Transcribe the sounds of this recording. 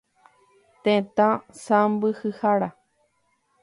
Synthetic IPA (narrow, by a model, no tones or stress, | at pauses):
t̪ẽt̪ãsãmbɨhɨhaɾa